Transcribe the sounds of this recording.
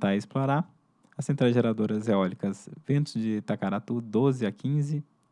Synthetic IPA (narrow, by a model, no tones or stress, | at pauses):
t̪aɐɪsploɾa | ɐsẽnt̪ɾaʒeɾad̪oɾɐzeɔlikɐsvẽnt̪ʊzd͡ʒɪt̪akaɾat̪ud̪ozɪakʰĩzɪ